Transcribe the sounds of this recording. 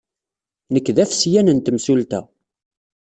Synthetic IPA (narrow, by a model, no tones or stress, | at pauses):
nəkːðæfsjænənt̪əmsult̪æ